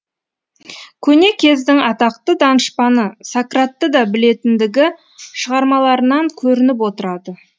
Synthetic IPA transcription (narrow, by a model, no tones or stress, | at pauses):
kʲʰɵne̞kʲʰe̞zd̪ɪŋɑt̪ɑq̚t̪əd̪ɑnəʃpɑnəsakrat̪ːəd̪ɑbɪle̞t̪ɪnd̪ɪɡʲɪ | ʃəʁɑɾmɑlˠɑɾənɑŋkʲʰɵɾɪnɪp̬wot̪əɾɑd̪ə